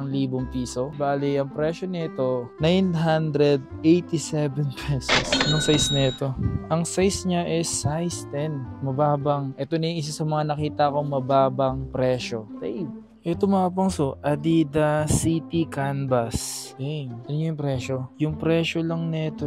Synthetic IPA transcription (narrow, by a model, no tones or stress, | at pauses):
ɐŋliːboŋpiːso̞baːlɪʔɐŋpɾɛːʃo̞nɛt̪o̞najnɦand̪ɾɛd̪̚ | ejt̪isɛvɛnpʰɛsosnʊŋsajsnɛɛt̪o̞ʔɐŋsajsɲaʔɛsːajst̪ɛnmɐbaːbɐŋʔɛt̪onɐŋʔɪs̬asɐmɐŋanɐkiːt̪ɐko̞ŋmɐbaːbɐŋpɾɛːʃo̞t̪ɐj | ʔɛt̪omɐaːp̬ɐŋsoʔɐd̪id̪ɐsit̪ikanbɐsɛɐnɲojʊŋpɾɛːʃojʊŋpɾɛːʃolɐŋnɛt̪o